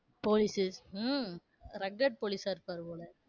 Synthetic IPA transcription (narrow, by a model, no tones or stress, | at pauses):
poːlisɪs | ɾɐɡːɐʈ̚poːlisaːɪɾɯpːaːɾɯpoːlɐ